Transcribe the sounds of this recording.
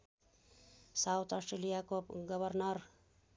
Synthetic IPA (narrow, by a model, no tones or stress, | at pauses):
sawt̪ʰɔsʈɾelijakoɡʌbʱʌrnʌr